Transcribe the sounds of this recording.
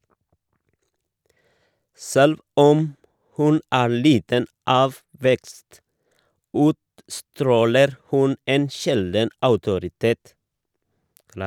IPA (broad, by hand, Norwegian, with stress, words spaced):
ˈsɛlʋ ˈɔm ˈhʉn ˈæː ˈɭiːtən ˈɑːʋ ˈʋɛkst ˈʉːtstɾoːləɾ ˈhʉn ˈeːn ˈʃɛldn̩ ɑʉtʊɾɪˈteːt